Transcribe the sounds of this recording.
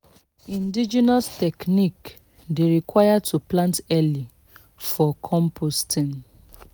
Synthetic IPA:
ĩndid͡ʒinastɛknik | deɾikwajatʰuplãntɛli | fɔkʰɔ̃mpʰostĩn

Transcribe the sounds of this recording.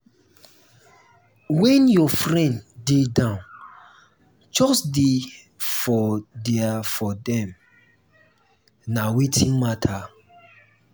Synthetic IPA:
wɛ̃njɔfɹɛ̃ndedãʊ̃n | d͡ʒɔsde | fɔdɛafɔdɛ̃m | nawitʰĩnmatʰa

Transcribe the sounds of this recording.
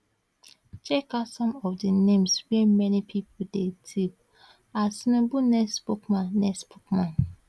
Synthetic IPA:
t͡ʃekasɔ̃mɔfdinẽmswimɛnipʰipʰodetʰip | asinĩbunɛsbokmãnːɛsbukmãn

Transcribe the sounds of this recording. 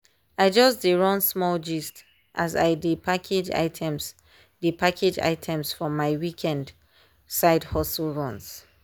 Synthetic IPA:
aɪd͡ʒɔsdiɹɔ̃nsmɔld͡ʒist | ʔaza̰ɪdipʰakʰed͡ʒa̰ɪtʰɛ̃ms | dipakʰed͡ʒa̰ɪtʰɛ̃msfɹɔ̃mːaɪwikʰɛ̃nd | saɪdhɔslˠɹɔ̃ns

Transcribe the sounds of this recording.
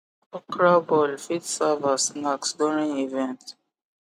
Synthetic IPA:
ɔkɹabɔlfidsavasnaksduɹĩŋivɛ̃nt

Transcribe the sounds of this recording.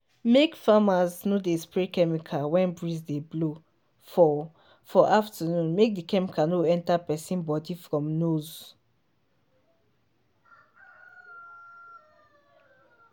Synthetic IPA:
mekfamaznodespɹekɛmikʰawɛ̃nbɹizdeblo | fɔ | fɔʔaftʰanũnmek̚dikɛmikʰanoɛ̃ntapɛsĩnbɔdifɾɔ̃mnoz

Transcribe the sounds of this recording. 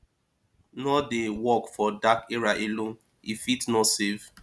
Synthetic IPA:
nɔdewɔkfɔdakeɹaʔelõn | ifitnɔtsev̥

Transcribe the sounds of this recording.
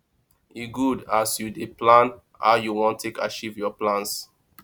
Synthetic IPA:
iɡudasjudeplãn | a̰juwɔ̃ntʰekat͡ʃivjɔplãns

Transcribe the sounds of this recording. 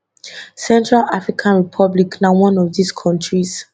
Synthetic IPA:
sɛ̃ntɹalafɹikʰãnɹipʰɔbliknawɔ̃nɔvdiskʰɔ̃ntʰɹiz̥

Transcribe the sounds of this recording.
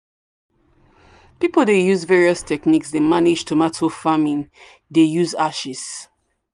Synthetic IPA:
pipl̩ˠdejuzvɛɹiɔstʰɛkniksdemaned͡ʒtʰumatʰofamĩn | dejuzaʃis

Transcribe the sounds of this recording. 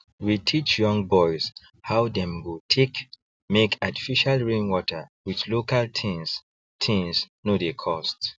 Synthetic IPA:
witʰit͡ʃjɔ̃ŋbɔɪz̥ | hawdɛ̃mwutʰek | mekati̥fiʃalɹĩnwɔtʰə˞wit͡ʃlokaltʰĩns | tʰĩŋs | nodekʰɔst

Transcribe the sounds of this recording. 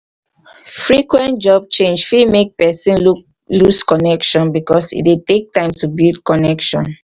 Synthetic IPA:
fɹikwɛ̃ntd͡ʒɔb̚t͡ʃẽnd͡ʒfimek̚pɛsĩn | luskɔnɛkʃɔ̃nbikɔsḭtwetek̚tãɪ̃mtubildkɔnɛkʃɔ̰̃n

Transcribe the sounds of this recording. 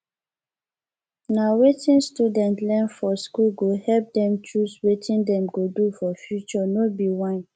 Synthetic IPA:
nawetĩnstudɛ̃ntlɛ̃nfɔskulɡohɛlp̚dɛ̃mt͡ʃuswetʰĩndɛ̃mɡodufɔfjut͡ʃɔnobiwãn

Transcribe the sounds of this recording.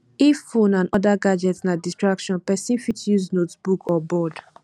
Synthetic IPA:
ifõnãnɔdaɡad͡ʒɛtsnadistɹakʃɔ̃npɛsĩnfitjuznotbukʰɔbɔd

